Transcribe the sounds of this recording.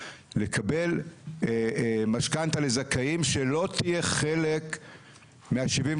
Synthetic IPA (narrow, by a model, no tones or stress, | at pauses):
le̞kʰabe̞l | maʃkant̪alezakaimʃe̞lo̞t̪ije̞χe̞le̞k | meaʃivim